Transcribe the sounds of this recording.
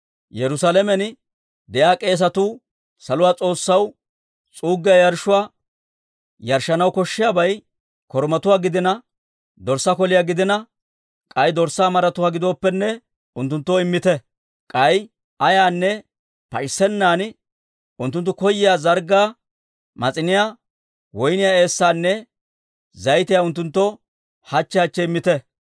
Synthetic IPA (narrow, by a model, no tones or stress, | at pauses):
jɛɾʊsalɛmɛn | d̪ɛjaːkʼe̞ːs̬ɐt̪uː | sɐlʊwaːt͡sʼo̞ːsːɐw | t͡sʼuːɡːɪjajɐɾʃʊwaː | jɐɾʃːɐnɐwkɔʃːɪjabɐj | kɔɾmɐt̪ʊwaːɡɪd̪ɪnɐ | d̪ɔɾsːɐkɔlɪjaːɡɪd̪ɪnɐ | kʼɐjd̪ɔɾsaːmɐɾɐt̪ʊwaːɡɪd̪oːpːɛnːɛ | ʊnt̪ːʊnt̪ːɔɪmːɪt̪ɛ | kʼɐj | ʔɐjaːnːɛ | pɐɪsːɛnːaːn | ʊnt̪ːʊnt̪ːʊkɔjːɪjaːzɐɾɡaː | mɐt͡sʼɪnɪjaː | wɔjnɪjae̞ːsːaːnːɛ | zɐjt̪ɪjaʊnt̪ːʊnt̪ːɔ | hɐt͡ʃːɛhɐt͡ʃːɛɪmːɪt̪ɛ